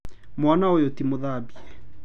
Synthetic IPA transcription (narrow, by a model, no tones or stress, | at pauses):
mwanaojotimoðabiɛ